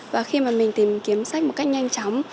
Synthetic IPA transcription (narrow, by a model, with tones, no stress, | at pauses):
vaː˨˩xi˧maː˨˩mï˨˩ŋ̟t̪i˨˩mki˨˦əmsa˦˥jk̚mo˨˩t̚kjk̚ɲa˧jŋ̟t͡ɕɔ˨˦wŋ͡m